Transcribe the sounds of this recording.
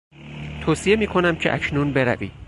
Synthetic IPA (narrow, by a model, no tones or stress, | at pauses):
t̪ʰoːsije̞miːkʰo̞næmcʰeʔæ̰cʰnuːnbe̞ɾæ̰vḭː